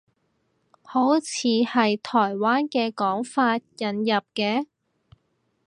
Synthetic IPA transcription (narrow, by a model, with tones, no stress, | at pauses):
ho˨˥wt͡sʰiː˨˧hɐ˨jt̪ʰɔː˨˩jwaː˥nkɛː˧kɔː˨˥ŋfaː˧t̚jɐ˨njɐ˨p̚kɛː˧